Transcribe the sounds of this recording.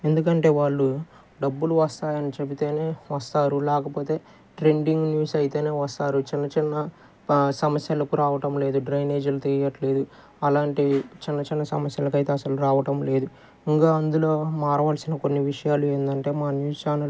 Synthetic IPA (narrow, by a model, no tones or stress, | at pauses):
e̞nd̪ukɐɳʈe̞ːʋaːɭːu | ɖɐbːuluʋɐst̪aːjɐnit͡ʃebit̪e̞ːne̞ːʋɐst̪aːɾulɛːkɐpo̞ːt̪e̞ː | ʈɾeɳɖiŋɡnjuːsɐjit̪e̞ːne̞ːʋɐst̪aːɾut͡ʃinːɐt͡ʃinːɐ | sɐmɐsjɐlɐkuɾaːʋɐʈɐmle̞ːd̪uɖɾɐjne̞ːd͡ʒɐlut̪ejɐʈle̞ːd̪u | ɐlaːɳʈit͡ʃinːɐt͡ʃinːɐsɐ̰mɐsjɐlɐk̬ɐjt̪eːɐsɐluɾaːʋɐʈɐmle̞ːd̪u | iŋkaːɐnd̪ulo̞ːmaːɾɐʋaːlɐsinɐkonːiʋiʂɐjaːlue̞ːnd̪ɐɳʈe̞ːmaːnjuːst͡ʃaːnɐ